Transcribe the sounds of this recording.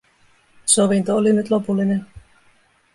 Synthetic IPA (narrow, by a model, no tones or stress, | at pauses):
soʋint̪oolinyt̪lo̞pulːinen